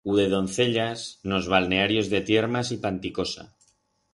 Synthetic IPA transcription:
uðe̞ð̞o̞n̟θe̞ʎasno̞zβ̞alne̞aɾjo̞zðet̪je̞ɾmasipant̪iko̞sa̰

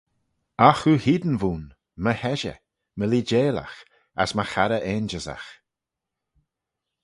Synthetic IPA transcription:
axuhiːd̪ənvuːn | məhɛʒə̰ | məliːd͡ʒeːla̰x | a̰sməxaɾəʔeːnd͡ʒəza̰x

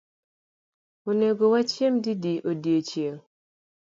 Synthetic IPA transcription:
oneɡowat͡ʃemdidiʔodiet͡ʃjeŋ

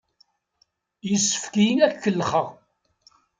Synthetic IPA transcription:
jəsːə̥fkijnækːəlːχəʁ

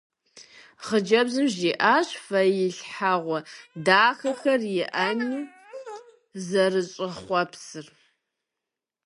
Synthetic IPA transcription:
χəd͡ʒɐbzɨmʒiːʔaːɕfɐjɪɬħaʁʷɔdaːxɐxɐrjɪʔɐniː | zɐrɨɕʼɪχʷɔpsɨr

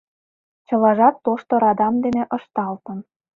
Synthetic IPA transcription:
t͡ɕɤ̆lɑʒɑt̪ːoʃt̪oɾɑd̪ɑmd̪eneʔɤ̆ʃt̪ɑlt̪ə̆n

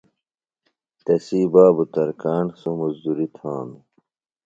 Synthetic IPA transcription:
t̪ɐsiːbaːbut̪ɐɾkaːɳsomɐzd̪uɾit̪ʰãːmi

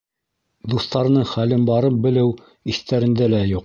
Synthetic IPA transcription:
d̪uθt̪ɑɾɤ̆nɤɴχælɘnbɑɾɤp̚bɘ̆lɘw | iθt̪æɾɘ̆nd̪ælæjuq

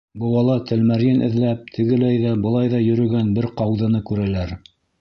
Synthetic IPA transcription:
bɤ̆wɑlˠɑt̪ʰɘ̆lmæɾjɘnʔɘ̆ðlæp̚t̪ʰɘ̆ɡɘ̆læjðæbɤ̆lˠɑjðɑjɵ̆ɾɵ̆ɡænbɘɾqɑwðɤ̆nɤkʉɾælæɾ

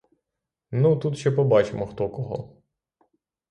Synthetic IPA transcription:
nut̪ut̪ʃt͡ʃɛpɔbɑt͡ʃemɔxt̪ɔkɔɦɔ̰

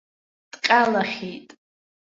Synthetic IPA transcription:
d̥qʲʼalaχʲejtʼ

